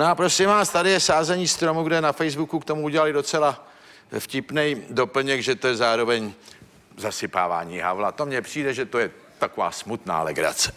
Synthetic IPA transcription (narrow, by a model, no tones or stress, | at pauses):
noapɾo̞sɪmvaːst̪adɪjɛsaːzɛɲiːst̪ɾo̞muɡdɛnafɛjzbukukt̪omuuɟɛlalɪdo̞t͡sɛla | fcɪpnɛjdo̞pl̩ɲɛkʒɛt̪ojɛzaːɾo̞vɛɲ | zasɪpa̰ːva̰ːɲiːɦa̰vlat̪o̞mɲɛpr̥iːdɛʒɛt̪o̞jɛ | t̪akova̰ːsmut̪na̰ːlɛ̰ɡɾa̰t͡sɛ̥